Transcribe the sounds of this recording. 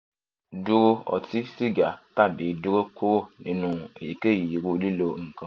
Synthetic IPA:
du˦ɾo˦ɔ̰˨ti˦si˦ɡa˨ta˦˨bi˨˦du˦ɾo˦ko˦ɾo˦nĩ˨nũ˨e˨ji˨ke˦˨ji˨ɾu˧˦li˦lo˧ŋ̩˨kã˦

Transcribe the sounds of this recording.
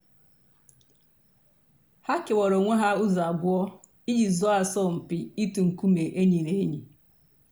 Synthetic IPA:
ha˦ke˨wɔ˨ɾo˨ŋʷe˦ɦa˦u˦za˨bʊ˦ɔ˦ | i˦d͡ʒi˨zɔ˦a˨sɔ˦˨m̩˨pi˨i˦tu˨ŋ̩˨ku˦me˨ʔe˦ɲi˨ne˨˦ɲi˨

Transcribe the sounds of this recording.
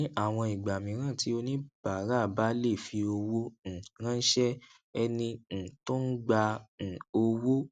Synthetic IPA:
a˦˨w̃ɔ̃˧i˨ɡ͡ba˨mĩ˨˦ɾ̃ã˦˨ti˨˦o˧nĩ˦b̥a˨˦ɾa˦˨ba˨˦le˦˨fi˧o˧wõ˦˨ɾ̃ã˦n̩˦ʃɛ˦ | ɛ˧nĩ˧˨to˦n̩˦ɡ͡bã˧˨o˧wo˦

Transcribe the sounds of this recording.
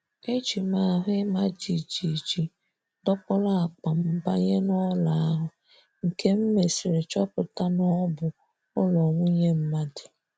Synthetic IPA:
e˦t͡ʃi˨ma˨˦˨ɦʊ˦ɪ˦ma˦d͡ʒi˨d͡ʒi˨d͡ʒi˨ | dɔ˦pɔ˦la˦a˨k͡pa˨m̩˦ba˦ɲe˦nɔ˦la˨a˦ɦʊ˨ | ŋ̩˨kʰe˦m̩˦me˨si˨ɾɪ˨t͡ʃɔ˦pʊ˨ta˦nɔ˦bʊ˨ | ʊ˦lɔ˨ŋʷu˦ɲe˦m̩˦ma˦dɪ̥˨

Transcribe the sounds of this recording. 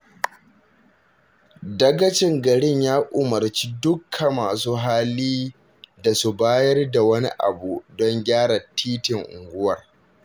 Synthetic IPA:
dɐ˦ɡɐ˦t͡ʃɪ˦ŋɡɐ˨ɽɪ˦ɲjaː˦ʔʊ˨mɐ˨rt͡ʃi˦dʊ˦kʰɐ˨maː˨suː˦ɦa˦liː˦ | da˨su˦baː˦jɐ˦rda˨wɐ˦nḭ˦ʔa̰˨bu˨dɔ˦ŋɡʲaː˦ɽa˨tʰiː˦tɪ˨ŋʔʊ̰˨ŋɡʷʊ˦wɐ˨r

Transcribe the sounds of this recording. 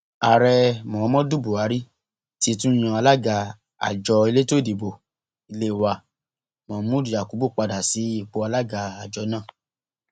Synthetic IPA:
a˨ɾɛ˧mɔ̃˨˦mɔ̃˦du˦˨bu˨a˨˦ɾi˦ | ti˧˦tũ˦j̃ã˧a˧la˦ɡa˧ | a̰˨d͡ʒɔ˧˦i˧le˦to˦˨di˨bo˨ | i˧le˦˨wa˨ | mɔ̃˨˦mũ˦i˨ja˨ku˨˦bu˦˨k͡pa˧da˨si˨˦i˦˨k͡po˨˧a˧la˦ɡa˧a˨d͡ʒɔ˧˦nãː˦˨

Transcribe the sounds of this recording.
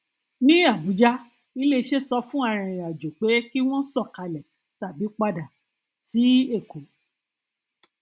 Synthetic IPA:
nĩ˦a˦˨bu˨˦d͡ʒa˦ | i˦le˧ʃe˦sɔ˧fũ˦a˧ɾ̃ĩ˧˨a˨d͡ʒo˨k͡pe˨˦ki˦w̃ɔ̃˦sɔ˦˨ka˧lɛ˨ | ta˨bi˨˦k͡pa˧da˨ | ti˨˦e˦˨ko˨

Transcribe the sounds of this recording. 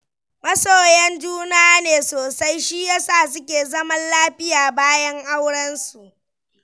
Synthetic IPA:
mɐ˦soː˨jɛ˦nd͡ʒuː˦na˦a˦neː˨soː˨sa˦jʃi˦jaː˦saː˦˨sʊ˦kʲeː˨zɐ˦mɐ˦nlaː˦ɸɪ˦jaː˨baː˦jɐ˦ŋʔa˦wɽɐ˦nsu˨ʔ

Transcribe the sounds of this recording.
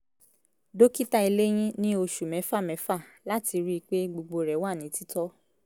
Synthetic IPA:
do˦ki˦ta˦i˧le˦j̃ĩ˦nĩ˦o˧ʃu˨mɛ̃˨˦fa˦˨mɛ̃˨˦fa˦˨la˦ti˧ɾi˦i˧k͡pe˦ɡ͡bo˧ɡ͡bo˧ɾɛ˨˦wa˦˨nĩ˨˦ti˦tɔ˦

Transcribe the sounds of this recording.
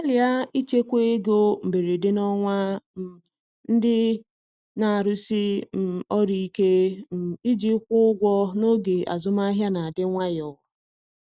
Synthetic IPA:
a˦lɪ˨a˦i˦t͡ʃe˦kʷe˦e˦ɡo˦m̩˨be˨ɾi˨dɪ˦nɔ˦ŋʷa˦m̩˦ | n̩˦dɪ˦ | na˨a˨ɾʊ˦si˦m̩˨ɔ˦ɾi˨i˦ke˦m̩˨i˦d͡ʒi˦kʷʊ˦ʊ˦ɡʷɔ˦no˦ɡe˨ʔa̰˨zʊ˦ma˦ɦja˦na˨a˨dɪ˦ŋʷa˦jɔ˨

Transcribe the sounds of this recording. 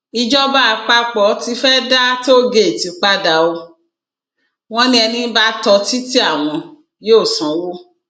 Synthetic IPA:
i˧d͡ʒɔ˦ba˦˧k͡pa˦k͡pɔ˨˦ti˧fɛ˦da˦to˦ɡe˧˨ti˨˦k͡pa˦da˧o˧ | w̃ɔ̃˦nĩ˦ɛ˧nĩ˧˦ba˦tɔ˧ti˦ti˦a˦˨w̃ɔ̃˧ | je˦o˦˨sã˨wo˦

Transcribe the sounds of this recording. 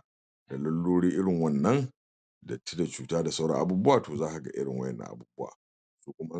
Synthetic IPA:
da˨lɐ˦lːoː˦ɽiː˦ʔɪ˦ɽɪ˨ŋwɐ˦nːɐ˦n | dɐ˨tːi˦da˨t͡ʃuː˨taː˦da˨sa˦wɽɐ̰˦ŋʔa˦buː˦bʊ˦waː˨toː˨zaː˦ʔa˨ɡa̰˦ʔɪ̰˦ɽɪ̰˨ŋwɐ̰˦jɛ̰˨nːa̰˨ʔa̰˨buː˦bʊ˦wa̰ː˨ | suː˦kʷʊ˦ma˦

